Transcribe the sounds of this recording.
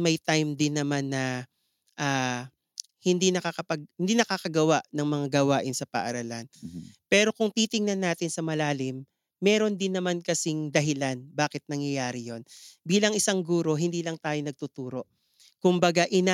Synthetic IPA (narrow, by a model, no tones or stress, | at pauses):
mɐjt̪ajmd̪ɪnːɐmanːɐ | ʔaː | hɪnd̪inɐkakɐpɐɡ̚hɪnd̪iːnɐkaːkɐɡɐwaʔnɐŋmɐŋaɡɐwaːʔɪnsɐpɐ̰ʔɐɾɐlanpɛːɾo̞kʊŋt̪iːt̪ɪŋnɐnːaːt̪ɪnsɐmɐlaːlɪmː | ɛːɾo̞nd̪ɪnːɐmankɐsɪŋd̪ɐɦɪlanbaːkɪt̪̚nɐŋjɐjaːɾɪjo̞nbiːlɐŋɪsaŋɡuːɾo̞ɦɪnd̪iːlɐŋt̪aːjonɐɡ̚t̪ut̪uːɾo̞ʔ | kʊmbɐɡaʔɪna